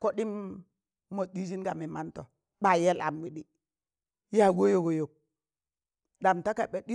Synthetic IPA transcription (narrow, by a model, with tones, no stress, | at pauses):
ko˦ɗi˦m | mo˨ɗi˦d͡ʒ̬i˦nɡa˨mi˨ma˦nto˨ | ɓa˨je˦la̰˨mwi˨ɗi˨ | ja˨ɡo˦jo˦˨ɡo˨jo˨k̚ | ɗa˨mta˦ka˨ɓe˨ɗi˦